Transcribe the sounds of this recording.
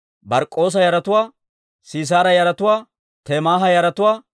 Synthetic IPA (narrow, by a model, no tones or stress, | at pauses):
bɐɾkʼːo̞ːs̬ɐjɐɾɐt̪ʊwaː | siːs̬aːɾɐjɐɾɐt̪ʊwaː | t̪eːmaːɦɐjɐɾɐt̪ʊwaː